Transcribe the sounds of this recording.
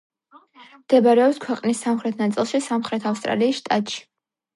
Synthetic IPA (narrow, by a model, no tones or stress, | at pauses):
md̪̥ɛbaɾɛɔpskʰwɛqʼnisːamχɾɛt̪ʰnat̪sʼilˠʃisamχɾɛt̪ʰafst̪ʼɾa̰liːsʃt̪ʼat̪ʼʃi̥